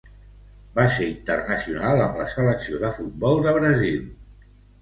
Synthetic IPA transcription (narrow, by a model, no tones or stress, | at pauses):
baseɾint̪ərnəsiunalˠəmləsələksioðəfut̪̚bɔlˠd̪əβɾəzil